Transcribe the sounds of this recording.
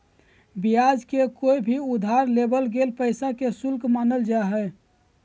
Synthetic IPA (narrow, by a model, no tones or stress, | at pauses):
bijad͡ʒkekoibʱiud̪ʱaɾlebəlɡelpəɪsakesulkmanəld͡ʒaɦɛ